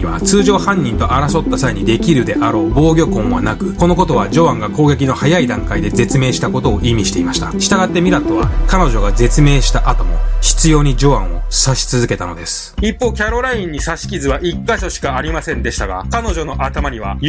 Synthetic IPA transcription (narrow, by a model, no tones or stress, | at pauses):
βa̰t͡sɨːʑo̞ːhãɲ̟ːĩnt̪o̞ʔaɾaso̞t̪ːasaiɲ̟id̪e̞kʲiɾɯ̟d̪e̞ʔaɾo̞ːbo̞ːɡʲo̞kõ̞ɰ̃βa̰nakɯ̟ko̞no̞k̬o̞t̪o̞βad͡ʑo̞ãŋɡako̞ːɡe̞k̬ʲino̞hajaid̪ãŋkaid̪e̞d͡ze̞t͡sɨme̞ːɕi̥t̪ako̞t̪o̞ːʔimʲiɕi̥t̪e̞imaɕi̥t̪aɕi̥t̪aɡat̪ːe̞mʲiɾat̪o̞βakano̞ʑo̞ɡad͡ze̞t͡sɨme̞ːɕi̥t̪aʔat̪o̞mo̞çi̥t͡sɨjo̞ːɲ̟id͡ʑo̞ãɰ̃o̞̥saɕi̥t͡sɨzɨke̞t̪ano̞d̪e̞sɨ̥ipːo̞ːkʲaɾo̞ɾaĩɲ̟ːisaɕi̥kʲizɨβaʔikːaɕo̞ɕi̥kaːɾʲimasẽ̞nd̪e̞ɕi̥t̪aɡakano̞ʑo̞no̞ʔat̪amaɲiβa